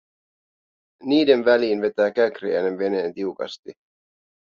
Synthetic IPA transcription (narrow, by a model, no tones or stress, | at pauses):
niːde̞nʋæliːnʋe̞t̪æːk̟ækriæ̰jnenʋe̞neːnt̪iukɑ̰st̪i